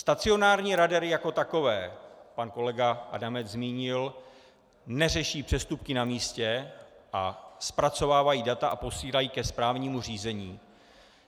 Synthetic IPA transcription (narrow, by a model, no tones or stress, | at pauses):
st̪at͡sɪo̞naːɾɲiːɾadɛɾɪjako̞t̪ako̞vɛːpanko̞lɛɡaʔa̰damɛt͡szmiːɲɪl | nɛr̝ɛʃiːpr̥ɛst̪upkɪnamiːscɛʔaspɾat͡so̞vaːvajiːdat̪aʔapo̞siːlajiːkɛspɾaːvɲiːmuriːzɛɲiː